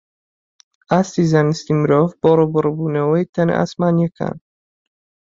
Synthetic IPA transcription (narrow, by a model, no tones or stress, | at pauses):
ast̪izanist̪imɾɔvb̥ɔɾɔbɔɾɔbunɛwɔjt̪ʰɛn̰ʔa̰smanjekʰa̰n